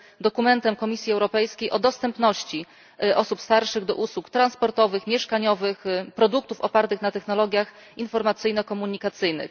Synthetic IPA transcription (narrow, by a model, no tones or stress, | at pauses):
d̪ɔkumɛnt̪ɛmkɔmʲisʲjiɛwɾɔpɛjskʲejʔɔd̪ɔst̪ɛmpnɔɕt͡ɕi | ʔɔsupst̪aɾʂɘɣd̪ɔ̰ʔuswukt̪ɾanspɔɾt̪ɔvɘxmʲjɛʂkaɲɔvɘxpɾɔd̪uk̚t̪ufɔpaɾt̪ɘxnat̪ɛxnɔlɔɡʲjax | infɔɾmat̪sɘjnɔkɔmuɲikat̪sɘjnɘ̰x